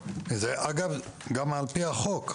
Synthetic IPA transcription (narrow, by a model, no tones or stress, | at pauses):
zeʔaɡavɡamalpiaχok